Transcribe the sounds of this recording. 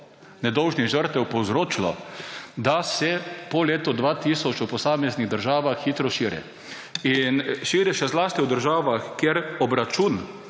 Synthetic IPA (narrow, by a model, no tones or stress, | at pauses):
nɛd̪ɔwʒniɣʒəɾt̪ɛwpowzɾoːt͡ʃilɔ̰d̪asɛpɔleːt̪ɔd̪ʋaːt̪iːsɔt͡ʃupɔsaːmɛzniɣd̪əɾʒaːʋaxːiːt̪ɾɔʃiːɾɛ̰ | inʃiːɾɛʃɛzlaːst̪iwd̪əɾʒaːʋaxkeɾɔbɾat͡ʃun